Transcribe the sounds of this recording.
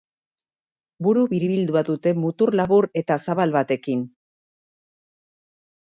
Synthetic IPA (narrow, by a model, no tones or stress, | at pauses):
buɾuβiɾiβild̪uaðut̪e̞mut̪uɾlaβuɾe̞t̪asaβalβat̪e̞kin